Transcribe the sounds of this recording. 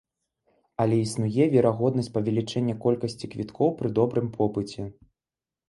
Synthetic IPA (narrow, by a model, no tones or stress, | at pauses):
ɐlʲɛisnujɛvʲɛɾaɣɔd̪nɐsʲt͡s̚ʲpɐvʲɛlʲit͡ʂɛnʲːɐkɔlʲkɐsʲt͡sʲikvʲit̪kʰɔwpɾɨd̪ɔbɾɨmpʰɔpɨt͡sʲɛ